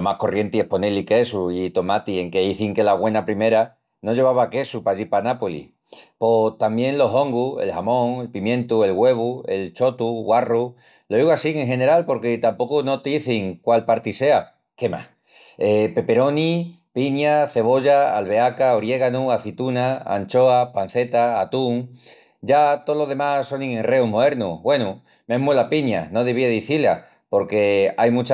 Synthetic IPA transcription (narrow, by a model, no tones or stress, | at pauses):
omahko̞rje̞nt̪ie̞hpo̞nelike̞suit̪o̞mat̪ieŋke̞iθiŋke̞laɣwe̞napɾime̞ɾa | no̞ʝe̞β̞aβake̞supaʎipanapolḭ | po̞t̪ambjẽ̞ŋlo̞ɦo̞ŋɡue̞̰lhamõ̞ŋe̞lpimjẽ̞nt̪ue̞lɣwe̞β̞ue̞lt͡ʃo̞t̪uɣwaru | loiɣasiŋe̞ŋɦe̞ne̞ɾalpo̞ɾket̪ampo̞kuno̞t̪iθiŋkwalpaɾt̪ise̞a | ke̞ma̰ | epe̞pe̞ɾo̞nipiɲaθe̞β̞o̞ʝaalβe̞akaoɾje̞ɣanuaθit̪unaa̰nt͡ʃo̞apan̟θe̞t̪aːt̪uŋ | d͡ʒat̪olo̞ðe̞maso̞nĩŋenre̞oɦmoðe̞ɾnṵβwe̞nu | meɦmuelapiɲa̰no̞ðeβ̞ieðiθila̰ | po̞ɾke̞ajmut͡ʃa